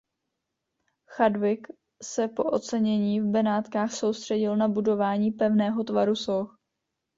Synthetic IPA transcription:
xadvɪk | sɛpo̞ʔo̞t͡sɛɲɛɲiːvbɛnaːt̪kaːxso̞wst̪r̝̥ɛɟɪlnabudo̞vaːɲiːpɛvnɛːɦo̞t̪vaɾusox

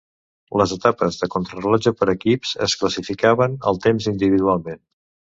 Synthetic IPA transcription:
ləzət̪apəzðəkunt̪ɾəlad͡ʒəpəɾəkipsə̰skləsifikaβənə̰lˠt̪emzind̪iβiðualˠmen

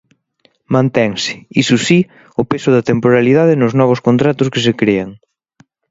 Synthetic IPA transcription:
mãnt̪ɛŋsɪ̥isʊsi | ʊpesʊðɐt̪empoɾaliðað̞ɪnʊznɔβʊskont̪ɾat̪ʊskɪsekɾeɐŋ

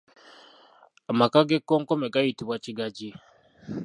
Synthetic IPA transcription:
amakaɡekːoːŋkomeɡajitiβwaciɡaɟi

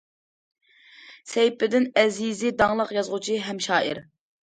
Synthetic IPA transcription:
sɛjpɪd̪ɪnɛzizɪd̪ɑŋlˠəqjɑzʁʊt͡ʃʰiɦɛmʃɑːʔɨ̰ɾ

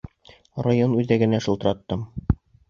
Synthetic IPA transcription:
rajonʉðæɡɘ̆næʃɤ̆lˠt̪ɤɾɑt̪ːɤm

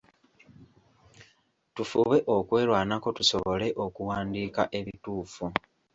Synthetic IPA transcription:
tufuβe̞ʔo̞kwe̞ːlwaːnako̞tuso̞βo̞le̞ʔo̞kuwaːndiːkaʔe̞βituːfu

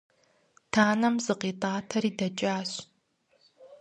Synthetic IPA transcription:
tʰaːnɐmzɨqiːtʼaːtʰɐɾiːdɐt͡ʃʼaːɕ

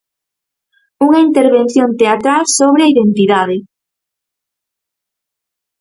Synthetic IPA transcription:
uŋɐint̪eɾβenθjont̪eat̪ɾalsoβɾeɐiðent̪iðaðɪ

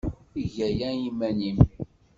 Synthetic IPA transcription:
iʝæjæjimːænim

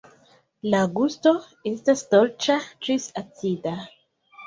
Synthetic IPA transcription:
laɡust̪o | est̪ast̪olt͡ʃatɾisat͡sid̪a

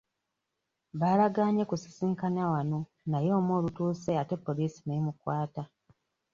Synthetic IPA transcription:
βaːlaɡaːɲekusi̥siːŋkanawano̞ | najo̞ːmwoːlutuːseate̞pːo̞liːsi̥nemukwaːta

